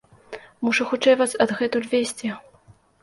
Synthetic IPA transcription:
muʂuxut͡ʂɛjvasɐd̪ɣɛt̪ulʲvʲesʲt͡sʲɛ

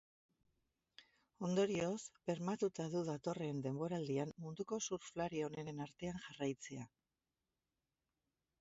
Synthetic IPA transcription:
o̞nd̪o̞ɾio̞sbe̞ɾmat̪ut̪aðuðat̪o̞re̞nd̪e̞mbo̞ɾald̪iamːund̪uko̞suɾflaɾio̞ne̞ɾenaɾt̪e̞aŋʝarajt͡se̞a

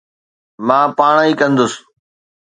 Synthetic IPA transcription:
mãːpaːɳ̃iːkə̃nd̪ʊs

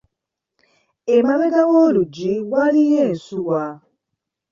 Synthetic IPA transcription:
emameɡawolud͡ʒiwaliɦesuwa

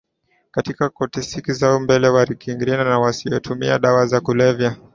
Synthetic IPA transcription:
katikakɔtɛsikizaumbɛlɛwaɾikiŋɡiɾɛnanawasijɔtʰumia̰ɗawazakulɛvja

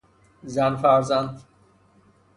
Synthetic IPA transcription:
zænfæɾzænd̪

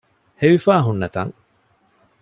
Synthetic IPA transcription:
heʋifaːɦunːɐt̪ɐ̰ŋ

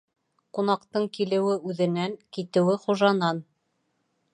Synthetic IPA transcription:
qunɑqt̪ɤɴkilɘ̆wɘʉðɘ̆næŋkit̪ɘ̆wɘχuʒɑnɑn

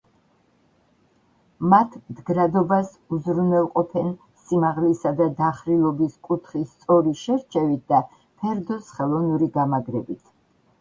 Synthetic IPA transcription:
mat̪ʰmd̪ɡɾad̪ɔbas | uzɾunɛlˠqʼɔpʰɛn | simaʁlisad̪ad̪aχɾilˠɔbiskʼut̪ʰχist̪sʼɔɾiʃɛɾt͡ʃʰɛvit̪̚d̪̥a | pʰɛɾd̪ɔsχɛlˠɔnuɾiɡamaɡɾɛbit̪ʰ

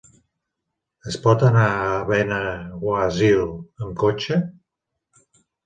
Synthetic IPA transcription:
əspɔt̪anaːβɛnəwaziləŋkot͡ʃə

